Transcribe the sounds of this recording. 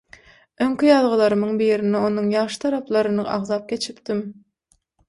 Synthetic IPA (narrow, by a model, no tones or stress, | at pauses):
øŋkʲijɑlˠʁɯlˠɑɾɯmɯɴbiːɾinɛo̞nɯɴjɑʁʃɯ̥t̪ʰɑɾɑplˠɑɾɯnɯɑ̰ʁzɑp̚kʲe̞t͡ʃʰipt̪im